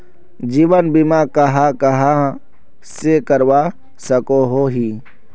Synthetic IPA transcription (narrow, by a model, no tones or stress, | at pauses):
d͡ʒiːwənbimaːkɐɦakɐɦa | sekəɾwaː | sɐkoɦoːɦiː